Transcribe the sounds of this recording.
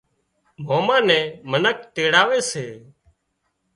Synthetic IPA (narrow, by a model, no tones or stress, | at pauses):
moːmãːnɛ̃ːmənək̚ʈ̪eːɽaːʋeːseː